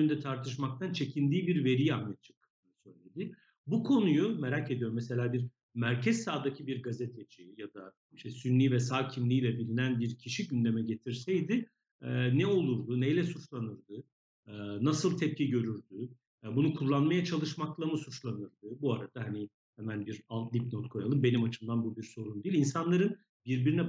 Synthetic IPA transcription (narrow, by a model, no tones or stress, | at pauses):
ynd̪ɛt̪ʰaɾt̪ʰɯʃ̬mak̚t̪ʰant͡ʃʰe̞cʰind̪iːbiɾve̞ɾijammɛt̪̚t͡ʃʰɯ̥k̚kɯ̥ɯnɯsø̞jlʲe̞d̪ɪ | bukʰo̞nujume̞ɾacʰe̞d̪ijo̞ɾmɛse̞lʲaːbiɾ | mæɾcʰɛzsaːd̪acʰibiɾɡazet̪ʰed͡ʒijad̪a | iʃt̪ʰɛsynlʲiːvɛsaːcʰinlʲiːlʲɛbilʲinænbiɾcʰiʃiɟynd̪e̞mɛɟe̞t̪ʰiɾsɛjd̪ɪ | ɛnɛo̞lˠuɾd̪unejlʲɛsut͡ʃlˠanɯɾd̪ɯ | nasɯlˠt̪ʰɛp̚cʰiɟø̞ɾyɾd̪y | bunukʰulˠːanmajat͡ʃʰalˠɯʃmaklˠamɯsut͡ʃlˠanɯɾd̪ɯbuaɾad̪̥aɦani | hɛmænbiɾalˠt̪d̪ʲip̚not̪kʰo̞jalˠɯmbe̞nimat͡ʃʰɯmd̪anbubiɾso̞ɾund̪iːlʲinsanlˠaɾɯn | biɾbiɾinɛ